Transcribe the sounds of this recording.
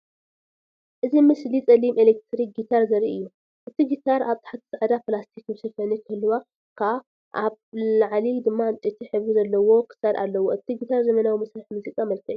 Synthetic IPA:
ʔɨzimɨslit͡sʼɐlimʔelek̚t̪ʰɾik̚ɡit̪ʰaɾzɐɾiɨjːu | ʔɨt̪ʰiɡit̪ʰaɾaβt̪ʰḁħat̪ʰɨ̥saʕad̪aplast̪ʰikmɨsɐfɐnikʰɨɨlːɨwa | kʰa | ʔaβlaʕlid̪ɨmːant͡ʃʼit̪ʰiħɨβuzɐlːɐwo̞kʰɨ̥saɾʔa̰lːɐwoɨt̪ʰiɡit̪ʰaɾzɐmɐnawimɐsɾaħmuzikʼamɐlkʰɐʔju

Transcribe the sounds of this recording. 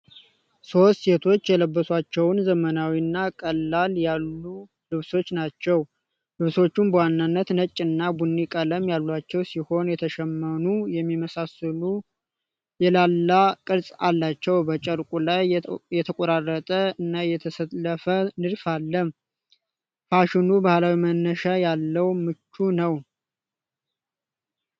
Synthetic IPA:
so̞st̪se̞t̪ʰo̞t͡ʃːjɛləbːəswat͡ʃːɛwnzəmənawinːakʼəlːaljalːu | lɨβso̞t͡ʃːnat͡ʃːɛw | lɨβso̞t͡ʃːumbəwanːanːət̪nət͡ʃʼːɨnːabunːikʼələmjalːwat͡ʃːɛwsiho̞njɛt̪ʰəʃɛmːənujɛmːiməsasɨlu | jɛlalːakʼɨɾsʼalːat͡ʃːɛwbət͡ʃʼəɾkʼulajjɛt̪ʰəkʼɔɾarːət̪ʼəɨnːajɛt̪ʰəsələfənɨɾfalːəm | faʃɪnubahlawimənːəʃajalːəwmɨt͡ʃːunəw

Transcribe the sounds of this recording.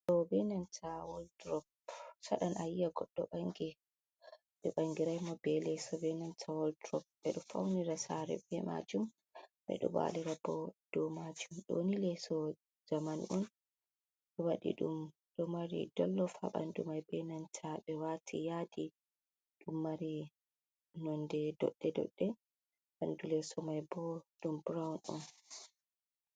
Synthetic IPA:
ɗɔbɛnantʰawɔldɾɔp̚ | saɗanʔajːaɡɔɗːɔɓaŋɡi | ɓɛɓaŋɡiɾajmɔbɛlɛsɔbɛnantʰawɔldɾɔp̚bɛɗɔfa̰wniɾasaɾɛ̰bɛma̰d͡ʒum | ɓɛ̰ɗɔ̰ba̰lɛɾabɔd̥ɔmad͡ʒumɗɔ̰ːnilɛsɔ | zamanʔɔn | ɗɔwaɗḭɗum | ɗɔmaɾḭdɔlːɔfa̰ɓa̰ndumajbɛnantʰaɓɛwatʰijadi | ɗumːaɾi | nɔndɛdɔ̰ɗːɛdɔ̰ɗːɛ | ɓandulɛsɔmajbɔɗumbɾawnɔn

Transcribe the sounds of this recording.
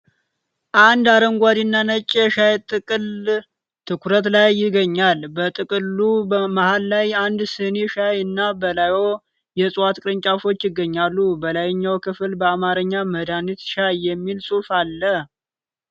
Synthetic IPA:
ʔand̪aɾəŋɡʷad̪inːanət͡ʃʼːɛʃajt̪ʼɨkʼɨl | t̪ʰɨkʰɾət̪lajːɪɡəɲːalbət̪ʼɨkʼɨlːubəmahalːajand̪sɨneʃajɨnːabəlajo̞ | jɛsʼwat̪kʼɨɾɨɲt͡ʃʼafo̞t͡ʃːjɪɡːəɲːalːubəlajɪɲːawkʰɨfɨlbəamaɾəɲːaməd̪anit̪ʃajːɛmːilsʼufalːə

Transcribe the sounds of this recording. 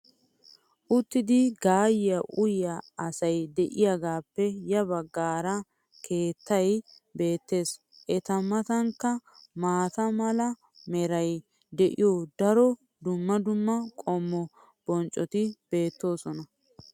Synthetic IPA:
ʔʊt̪ːɪd̪ɪɡaːjɪjɐʔʊjːɐɐsɐjd̪ɛʔɪjɐɡaːpːɛjɐbɐɡːaːɾɐ | kʰe̞ːt̪ːɐj | be̞ːt̪ːe̞ːs | ʔɛt̪ɐmɐt̪ɐŋkːɐmaːt̪ɐmɐlɐ | mɛɾɐj | d̪ɛʔɪ̰joːd̪ɐɾɔ | d̪ʊmːɐd̪ʊmːɐkʼɔmːɔ | b̥ɔnt͡ʃʼːɔt̪ɪb̥e̞ːt̪ːo̞ːsɔnɐ

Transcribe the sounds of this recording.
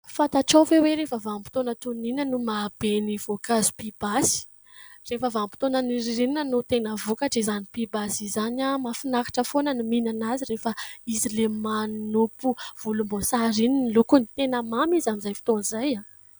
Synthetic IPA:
fat̪aʈ͡ʂafeweɾefəvampi̥t̪onət̪uninənumab̥eniv̥okazu̥pib̥asi̥ | refəvampi̥t̪onaniɾiɾininanut̪enəvukaʈ͡ʂizanipibasizanamafinakḁʈ͡ʂəfonəniminanazirefəizilemannupuv̥ulumbosaɾininlukunit̪enəmamizamizajfi̥t̪onzaja

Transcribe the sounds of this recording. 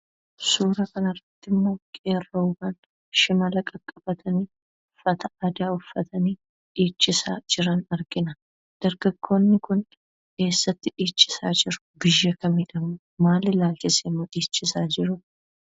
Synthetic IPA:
suːɾɐkɐnɐrːɐt̪ːɪmːo̞ːkʼeːrɐʊbɐn | ʃɪmɐlɐkʼɐkʼːɐb̥ɐt̪ʰɐniː | fɐt̪ɐɐd̪aːʊfːɐt̪ɐniː | ᶑiːt͡ʃːɪsaːd͡ʒɪɾɐnɐɾɡɪnɐ | d̪̥ɐɾɡɐɡːo̞ːnːɪkʊn | ke̞ːsːɐt̪ːɪᶑiːt͡ʃʼːɪ̥saːd͡ʒɪɾʊ̥bɪjːɐkɐmɪᶑɐmʊ | maːlɪlaːlt͡ʃɪsemːoᶑiːt͡ʃːɪsaːd͡ʒɪɾʊ

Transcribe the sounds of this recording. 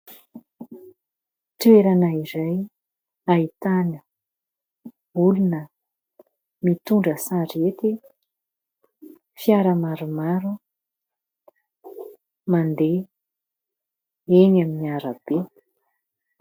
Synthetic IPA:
t̪ueɾanəiɾaj | ait̪anə | ulunə | mit̪uɳɖ͡ʐəsaɖ͡ʐet̪i | fjaɾəmaɾumaɾu | mand̪e | enaminiaɾəb̥e

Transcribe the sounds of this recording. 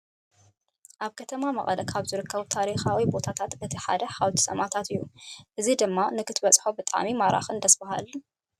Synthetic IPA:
ʔaβkʰɐt̪ʰɐmamɐχʼɐlɐkʰaβzɨɾɨkːɐβt̪ʰaɾixawibo̞t̪ʰat̪ʰat̪bɨt̪ʰiħa̰d̪ɐħawt̪ʰi̥sɐmat̪ʰat̪ɨjːuʔɨzid̪ɨmːanɨkʰɨt̪bɐt͡sʼħobɨt̪ʼa̰mimaɾa̰xɨnd̪ɐsbaha̰l

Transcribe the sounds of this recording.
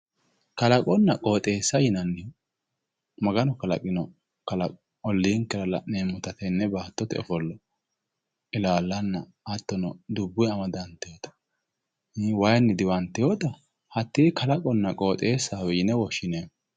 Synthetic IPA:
kɐlɐkʼɔnːɐkʼo̞ːt̪ʼe̞ːsːɐjɪnɐnːɪj | mɐɡɐnɔkɐlɐ̰kʼɪnɔ | kɐlɐkʼɔ | ɔlːiːŋkɛlɐlɐneːmʊt̪ɐt̪ɛnːɛbaːt̪ːɔt̪ɛɔ̰fɔlːɔ | ɪlaːlːɐnːɐː | t̪ːɔnɔd̪ʊbːʊjɐmɐd̪ɐnt̪ɪjɔt̪ɐ̥ | wɐjnːɪd̪ɪwɐnt̪ːɪjoːt̪ɐ | hɐt̪ːiːkɐlɐkʼɔnːɐkʼo̞ːt̪ʼe̞ːsːaːwɛjɪnɛwɔʃːɪneː

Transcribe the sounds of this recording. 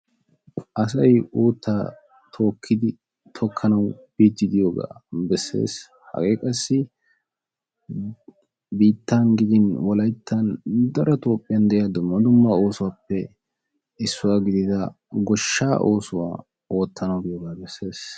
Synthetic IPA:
ʔɐs̬ɐjuːt̪ːaː | t̪ʰo̞ːkʰːɪd̪ɪ | t̪ʰɔkʰːɐnɐwb̥iːd͡ʒːɪd̪ɪjoːɡa̰ːbɛsːe̞̰ːs | hɐ̰ɡeːkʼɐsːɪ | biːt̪ːanɡɪd̪ɪnwɔlɐjt̪ʰːɐnd̪ɐɾɐt̪o̞ːpʼːɪjɐnd̪ɛʔjad̪ʊmːɐd̪ʊmːao̞ːsʊwaːpːɛ | ɪsːʊwaːɡɪd̪ɪt̪ɐ | ɡɔʃːaːʔo̞ːsʊwa̰ː | o̞ːt̪ʰːɐnɐwɡɪjoːɡaːbɛsːe̞ːs

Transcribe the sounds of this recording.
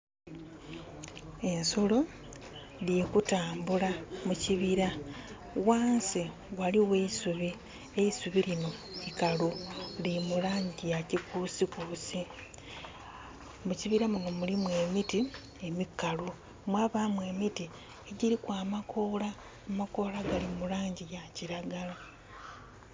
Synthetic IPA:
e̞nsolo̞ | ljekutaːmbulamuciβiɾa | waːnsi | waliwe̞isuβi | e̞isuβiɾino̞ikalulimulaːɲɟijacikusikusi | muciβiɾamuŋɡomulimwe̞ːmiti | emikːalu | mwaːβamwe̞ːmiti | eɟiɾikwaːmakʰo̞ːlaː | mako̞ːlaɡalimulaːɲɟijaciɾaɡala

